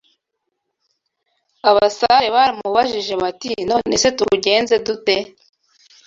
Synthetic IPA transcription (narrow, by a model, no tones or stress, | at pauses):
aβasaɾeβaːɾimuβaʒiʒe̞βatḭno̞ːnese̞tuɟe̞ːnze̞dute